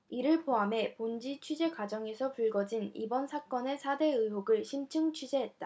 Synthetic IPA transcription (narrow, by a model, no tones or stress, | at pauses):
iɾɯɭpoame̞pond͡ʑit͡ɕʰɥid͡ʑe̞kwad͡ʑʌŋe̞sʰʌpuɭɡʌd͡ʑinḭbʌnsʰak͈ʌne̞sʰade̞ɯɦoɡɯɭɕʰimt͡ɕʰɯŋt͡ɕʰɥid͡ʑe̞ɦet̚t͈a